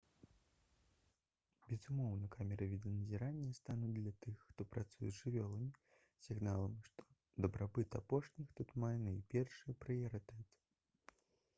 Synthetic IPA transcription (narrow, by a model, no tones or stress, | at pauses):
bʲɛzumɔwnɐkamʲɛɾɐvʲid̪ɐnɐzʲiɾanʲːɐst̪anud̪lʲɐt̪ɨxːt̪ɔpɾat̪sujɛzʲʐɨvʲɔlˠɐmʲii | sʲiɣnalˠɐmʂt̪ɔ̥ | d̪ɐbɾabɨt̪apɔʂnʲixt̪ut̪majɛnɐipʲɛrʂɨjɐpɾɨjɐɾɨt̪ɛt̪ɨ̥